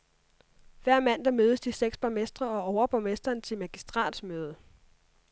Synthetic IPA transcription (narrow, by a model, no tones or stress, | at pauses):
ʋæɐ̰mæn̰d̥ɑ̈møːð̞ˠəsd̥iseɡ̥sb̥ɑ̈mesd̥ʁɐɒ̽ɒʊɐb̥ɑmesd̥ɐːnt͡sʰe̝mæɡ̥isd̥ʁɑ̰̈ːd̥smøːð̞ˠə